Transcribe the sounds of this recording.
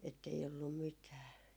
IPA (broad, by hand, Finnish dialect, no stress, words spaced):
etːei olːum mitæː